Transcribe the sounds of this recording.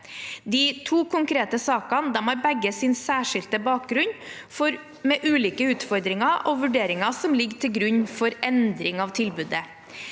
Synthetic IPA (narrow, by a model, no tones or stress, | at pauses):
d̪iːt̪ʰuːkʰʊŋkɾeːt̪əsɑːkɑnd̪ɛmhɑːɾbɛɡːəsɪnsæːʂɪlt̪əbɑːk̚ɡɾʉn | fɔɾ | mɛʔʉːliːkəʉːt̪fɔɾd̪ɾɪŋɑʔɔʋʉɖeːɾɪŋɑsɔmlɪɡːʈ̪ʰɪlɡɾʉɲːfɔɾɛnd̪ɾɪŋɑʋt̪ʰɪlbʉːd̪ə